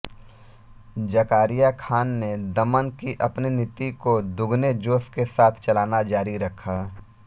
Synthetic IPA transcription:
d͡ʒɐkaːɾijakʰaːnːed̪ɐmənkiʔɐpninɪt̪ikod̪ʊɡned͡ʒoːskesaːt̪ʰt͡ʃɐlaːnad͡ʒaːɾiɾɐkʰaː

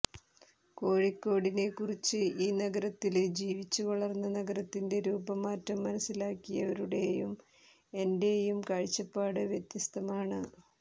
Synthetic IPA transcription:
ko̞ːɻikːo̞ːɽine̞kːurit͡ɕːɨiːnɐɡɐɾɐt̪ːild͡ʑiːʋit͡ɕːukɐɭɐrnːɐnɐɡɐɾɐt̪ːinde̞ɾuːbɐmːaːtrɐmːɐnɐsːilaːkːijɐʋɐɾuɽe̞jum | e̞nde̞jumkɐɻit͡ɕːɐpːaːɽɨʋjet̪jɐst̪ɐmaːɳɨ

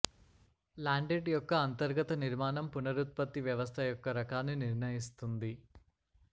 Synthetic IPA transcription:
laːɳɖeɖjɔkːɐːnt̪ɐɾɡɐt̪ɐniɾmaːnɐmpunɐɾut̪̚pɐt̪ːiʋjɐʋɐst̪ʰɐjɔkːɐɾɐkaːnːiniɾɳɐjist̪und̪i

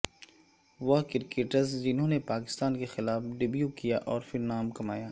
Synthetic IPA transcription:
ʋɐkɪɾkeːʈəɾzd͡ʒɪnɦõːnepaːkɪ̥st̪aːnkexɪlaːfɖɪbjuːkijaʔɔːɾfɪɾnaːmkɐmaːjaː

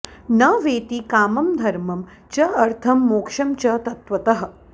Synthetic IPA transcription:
nɐʋeːt̪ikaːmɐmd̪ʱɐɾmɐm | t͡ʃɐɐɾt̪ʰɐmːoːkʂɐmt͡ʃɐt̪ɐt̪ʋɐt̪ɐɦɐ̆

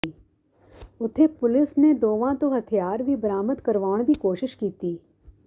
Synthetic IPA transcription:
i | ʊt̪ʰepʊlɪsned̪oːʋãt̪oɦɐt̪ʰijaːɾbʱibəɾaːmət̪kɐɾʋaːɽ̃d̪ikoːʃɪʃkiːt̪iː

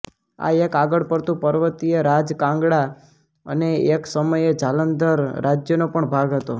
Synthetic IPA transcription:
a̰ekaɡəɽpəɾt̪ũpəɾʋət̪ijəɾad͡ʒkãŋɡɽa | ə̰neeksəməjed͡ʒalənd̪əɾːad͡ʒjənopəɳbʱaɡɦət̪o

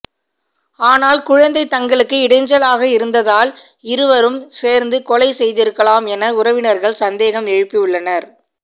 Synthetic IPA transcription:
aːnaːlkʊɻɐnd̪ɐɪt̪ːɐŋɡɐɭɯkːɯɪɽɐɪɲd͡ʒɐlaːɣɐɪɾɯnd̪ɐðaːl | ɪɾɯʋɐɾɯmseːɾnd̪ɯkɔlɐɪsɛjðɪɾɯkːɐɭaːmɛnɐʊɾɐʋɪnɐɾɣɐɭsɐnd̪eːɣɐmɛɻɯpːijɯɭːɐnɐɾ

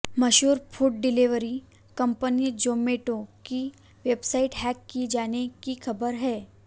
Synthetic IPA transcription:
mɐʃɦuːɾpʰuːʈ̚ɖɪliʋəɾi | kɐ̃mpənid͡ʒoːmeːʈoki | ʋeːbsaːɪʈɦɛːkːid͡ʒaːnekixʰɐbəɾɦɛː

